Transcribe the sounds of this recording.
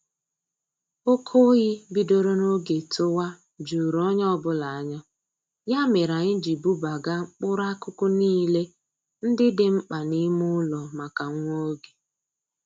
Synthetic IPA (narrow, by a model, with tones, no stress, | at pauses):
o˦kʰo˦ɣɪ˦bi˨do˨ɾo˦no˦ɡe˨to˦wa˦ | d͡ʒu˨ɾɔ˦ɲɔ˦bʊ˦la˨a˨ɲɔ˦ | ja˦me˨ɾa˨ɲɪ˦d͡ʒi˨bu˦ba˨ɡa˦ŋ͡m̩˦k͡pʊ˦ɾa˦kʊ˦kʊ˦niː˦le˦ | n̩˦dɪ˦dɪ˨ŋ͡m̩˦k͡pa˨ni˦mʊ˦lɔ˨ma˨ka˨˦o˦ɡe˨